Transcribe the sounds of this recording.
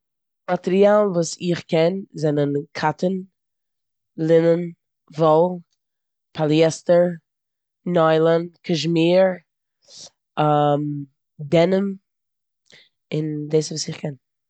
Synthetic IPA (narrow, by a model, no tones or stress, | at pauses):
matɛɾialˠvuːsɪχkʰɛnzɛnənkʰatən | lˠɪnən | vɔlˠ | pʰalˠjɛstəɹ | nɔɪlˠənkʰəʃmiːɹ | am | dɛnəm | ɪndeɪsvuːsɪχkʰɛn